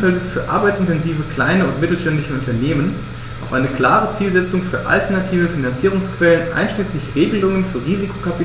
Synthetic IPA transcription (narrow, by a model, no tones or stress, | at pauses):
fɛlɪsfyːɐʔa̰ɐbaɪtsɪntɛnziːvəkl̥aɪnəʊntmɪtl̩ʃtɛndlɪçəʊntɐneːmən | ʔaʊfʔaɪnəkl̥aːʁ̞ət͡siːlzɛt͡sʊŋfyːɐʔa̰ltɐnatʰiːvəfinant͡siːʁ̞ʊŋskv̥ɛlənʔa̰ɪnʃliːslɪçʁeːɡəlʊŋənfyːɐʁiːzikʰo̥kapi